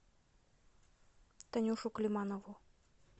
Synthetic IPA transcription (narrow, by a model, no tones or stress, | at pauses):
t̪ɐnʲuʂuklʲimanɔvu